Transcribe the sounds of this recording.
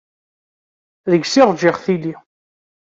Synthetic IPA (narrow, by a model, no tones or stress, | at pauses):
ðəɡsɪʁd͡ʒɪʁθili